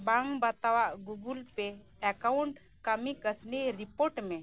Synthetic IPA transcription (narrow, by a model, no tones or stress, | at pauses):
baŋbat̪awaʔɡuɡulpe | ɛkawɳʈ | kəmikəsniɾipoɾʈmẽ